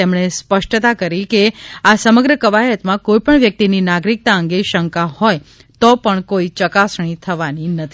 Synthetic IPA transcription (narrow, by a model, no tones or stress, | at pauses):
emɳ̃espəʃʈt̪akəɾikeasəməɡɾəkəʋajət̪mãkoipəɳʋjək̚t̪ininaɡɾik̚t̪aəŋɡeʃəŋkahɔj | t̪ɔpəɳkoit͡ʃəkasɳ̃it̪ʰəʋaninət̪ʰi